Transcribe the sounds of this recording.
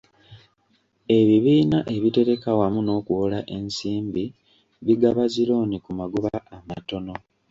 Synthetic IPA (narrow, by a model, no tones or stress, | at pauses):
e̞βiβiːnaʔe̞βite̞ɾe̞kawamuno̞ːkuwolaʔe̞nsiːmbi | βiɡaβaziɾo̞ːnikumaɡuβaːmato̞no̞